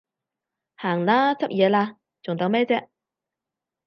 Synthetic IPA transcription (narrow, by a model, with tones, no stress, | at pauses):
haː˨˩ŋlaː˥t͡sʰɐ˥p̚jɛː˨˧laː˧ | t͡sʊ˨ŋt̪ɐ˨˧wmɛː˥t͡sɛː˥